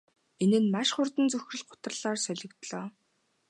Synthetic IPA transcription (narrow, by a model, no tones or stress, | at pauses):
enɘ̆nmaʃχʊrt̪ə̆nt͡sɵxrɘ̆ɮɢʊ̥t̪rə̆ɮaːrsœɮʲɪ̆kt̪ɮɔː